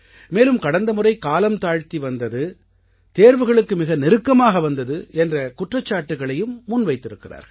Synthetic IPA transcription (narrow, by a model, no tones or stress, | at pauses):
meːlɯmkɐɽɐnd̪ɐmɯrɐɪkaːlɐmt̪aːɻt̪iʋɐnd̪ɐðɯ | t̪eːɾʋɯɣɐɭɯkːɯmɪɣɐnɛɾɯkːɐmaːɣɐʋɐnd̪ɐðɯɛndrɐkʊʈrɐt͡ʃːaːʈːɯɣɐɭɐjɯmːʊnʋɐɪt̪ːɪɾɯkːɪra̰ːɾɣɐɭ